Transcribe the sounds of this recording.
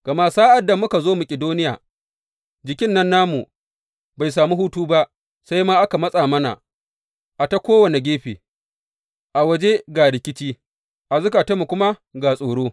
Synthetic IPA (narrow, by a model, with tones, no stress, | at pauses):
ɡ̥ɐ˨ma˦˨saː˦ʔa˨da˨mʊ˦ka˨zoː˦mu˨kʲʼɪ˨doː˦nɪ˦ja̰ː˨ | d͡ʒɪ˨kʲɪ˦nːɐ˦nːaː˦mu˨ | ba˨js̬aː˨mu˦huː˦tuː˦ba˦ʔ | sa˦jmaː˦ʔa˦ka˨mɐ˦sʼaː˨mɐ˦na̰˨ | ʔa˨ta˦kʷoː˦wɐ˨ne˨ɡʲeː˦ɸḛː˨ | ʔa˨wɐ˦d͡ʒe˦ɡaː˨ɽɪ˨kʲɪ˦t͡ʃiː˦ | ʔa˨zʊ˦kaː˨tɐ˦mu˨kʷʊ˦ma˦ɡa˨sʼoː˨ɽoː˦